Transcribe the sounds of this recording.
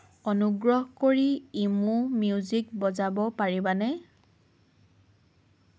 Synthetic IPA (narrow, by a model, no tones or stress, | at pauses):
ɔnuɡɹɔɦkoɹiimũmjuzik̚bɔzabɔpaɹibanɛ